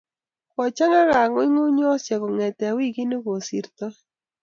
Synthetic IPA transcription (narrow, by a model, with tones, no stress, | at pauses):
kɔ˨t͡ʃa˦ŋa˦ɣa˨ŋwɪ˦ŋʊ˦ɲɔ˦sɛ˨kɔ˨ŋɛ˨tɛ˨a˨wi˦˨ki˦nɪ˦ko˨sḭ˨ɾt̪ɔ˦